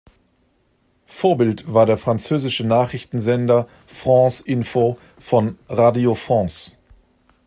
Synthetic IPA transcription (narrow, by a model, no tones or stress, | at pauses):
foːɐbɪltv̥aːɐɾeːɐfʁ̥ant͡søːzɪʃənaːχʁ̥ɪçtn̩zɛndɐ | fʁ̥ɑ̃sʔɪnfoː | fɔnʁaːdiofʁ̥ɑ̃ːs